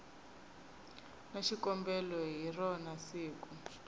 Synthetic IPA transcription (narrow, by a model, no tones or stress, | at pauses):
naʃikɔmbɛlɔɦirɔnasiːku